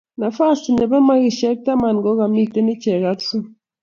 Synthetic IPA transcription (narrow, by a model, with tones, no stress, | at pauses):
na˨fa˦˨sti˨ne˨be˦ma˦ɣi˨ʃe˦k̚ta˦ma˨n˨ɡo˨˦ɣa˨mi˦˨te˦ni˦t͡ʃe˨ɣa˨˦tso˦